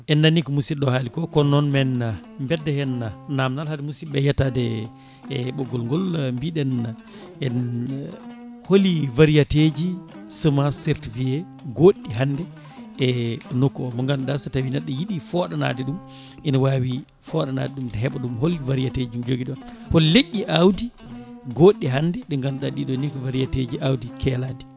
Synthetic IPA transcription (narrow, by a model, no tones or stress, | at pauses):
ʔɛnːanikɔmusiɗɔhaːlikɔkɔnɔnmɛnambɛdːɛhɛnanamnalhadɛmusiɓɛjatadɛ | ɓɔɡːɔlŋɡɔlmbiɗɛn | ɛn | holivaɾijated͡ʒisumaseɾtivijɛ | ɡoɗːiɦandɛ | ɛnɔkːɔmɔŋɡanɗasatawinaɗːɔjiɗifɔɗana̰ːdiɗum | ʔinawaːwi | fɔɗana̰ːtɛɗumdɛɦɛɓaɗumholːivaɾijated͡ʒumd͡ʒoɡiɗɔnholleʔʲːiʔawdiɡoɗːiɦanːdɛɗɛŋɡanɗaɗiɗɔnikɔvaɾijated͡ʒiʔawdikʰɛlandi̥